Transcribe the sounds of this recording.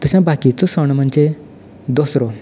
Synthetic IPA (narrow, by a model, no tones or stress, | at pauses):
t̪əɕãbakit͡sɔsɔɳ̃m̤əɳd͡ze | d̪osɾɔ